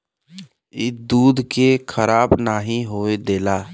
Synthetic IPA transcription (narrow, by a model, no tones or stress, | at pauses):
ɪd̪uːd̪ʱkekʰəɾaːbnaːɦĩɦoːed̪eːlaː